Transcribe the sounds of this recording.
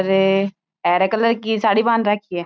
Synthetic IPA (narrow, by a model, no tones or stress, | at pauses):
ɾ | ɛːɾɛkələɾkisaːɽiːbãːnɾakʰiɛː